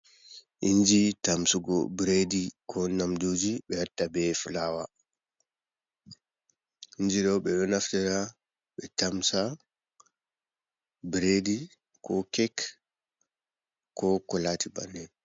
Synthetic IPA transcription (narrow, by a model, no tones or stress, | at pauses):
ʔiɲd͡ʒitamsuɡɔ̰bɾedikʰɔnamdod͡ʒiɓɛhatːabɛfulawa | iɲd͡ʒiɗɔɓɛɗɔnaftɛɾa | ɓɛtamsa | bɾedi | kɔkɛk | kɔkɔlatiba̰nɛ